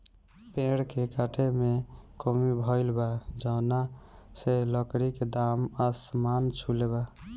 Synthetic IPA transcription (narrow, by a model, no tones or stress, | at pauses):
pẽɦɽkekaʈʰemekomibʱɔɪlbad͡ʒəna | seləkɽiked̪aməsmant͡ʃʰuleβa